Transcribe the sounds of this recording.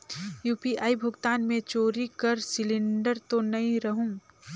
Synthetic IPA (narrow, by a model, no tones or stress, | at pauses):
juːpiʔaːibʱʊɡt̪aːnmẽt͡ʃoːɾikəɾsɪlɪ̃ɳɖəɾt̪onɐĩɾəɦũː